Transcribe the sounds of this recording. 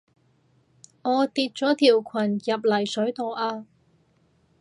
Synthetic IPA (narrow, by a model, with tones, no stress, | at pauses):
ŋɔː˨˧t̪iː˧t̚t͡sɔː˨˥t̪ʰiː˨˩wkʷʰɐ˨˩njɐ˨p̚lɐ˨˩jsɵ˨˥ɥt̪o˨wʔaː˧